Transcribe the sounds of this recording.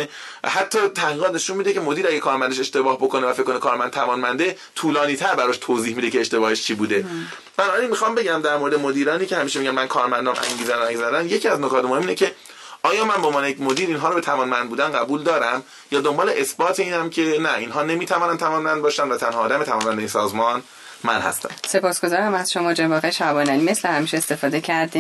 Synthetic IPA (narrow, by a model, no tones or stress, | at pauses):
væ̰ɦæt̪ʰːɒːt̪ʰæhʁiːʁɒːt̪neʃunmid̪ecʰe̞mod̪iːɾæɡekʰɒːɾmænd̪eʃe̞ʃt̪e̞bɒːhbokonevæfekːonekʰɒːɾmænd̪t̪ʰævɒːnmænd̪e | t̪ʰuːlɒːniːt̪ʰæɾbæɾɒːʃt̪ʰoːziːhmid̪ecʰeːʃt̪e̞bɒːheʃt͡ʃʰiːbuːd̪e̞ | b̥ænɔːbæɾinmixɒmbe̞ɟæmd̪æɾmoɾed̪emod̪iːɾɒːniːcʰe̞hæmiːʃemiɟænmænkʰɒːɾmænd̪ɒːmʔæ̰ŋɟiːzænoæzæd̪ænje̞cʰiæznokʰɒːt̪mohemːinecʰe̞ | ʔɒːjɒːmænbomɒːnejecmod̪iːɾiːnɦɒːɾobet̪ʰævɒːnmænd̪̚buːd̪ænɢæbuːld̪ɒːɾæm | jɒːd̪ombɒːle̞ʔesbɒːt̪ʰeiːnæmcʰe̞næʔinɦɒːnemiːt̪ʰævɒːnænt̪ʰævɒːnmænd̪bɒːʃænd̪væt̪ʰænhɒːd̪æmeævɒːnmænd̪einsɒːzmɒn | mæ̰nhæ̰st̪æ̰nse̞pʰɒːsɡ̥o̞zɒːɾæmæz̥ʃo̞mɒːd͡ʒebɒːɣeʃæbɒːnænime̞slehæmiːʃeest̪e̞fɒːd̪ecʰæɾd̪i